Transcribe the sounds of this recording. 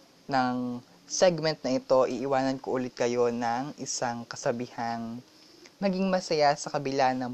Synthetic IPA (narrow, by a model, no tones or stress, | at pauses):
nɐŋ | sɛɡmɛnt̪̚nɐʔɪt̪o̞ʔiʔɪwaːnɐnkoʔʊlɪt̪̚kɐjo̞nɐŋʔɪsaŋkɐsɐbiːhaŋ | mɐɡiŋmɐsɐjasɐkɐbɪlanɐ